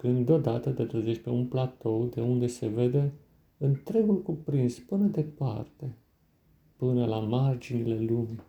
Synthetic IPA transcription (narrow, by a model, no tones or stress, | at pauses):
kɨnd̪d̪eo̞d̪at̪ət̪et̪ɾəzeʃpeunplat̪o̞wd̪e̞und̪e̞se̞ve̞d̪e̞ | ɨnt̪ɾe̞ɡulkupɾinspɨnəd̪e̞pa̰rt̪e̞ | pɨnəlamard͡ʒinile̞lumi